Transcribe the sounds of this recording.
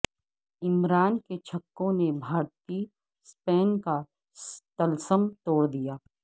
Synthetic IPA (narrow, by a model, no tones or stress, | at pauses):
ɪmɾaːnket͡ʃʰɐkːõnebʱaːɾt̪i | spɛːnka | t̪ɐlsəmt̪oːɽd̪ijaː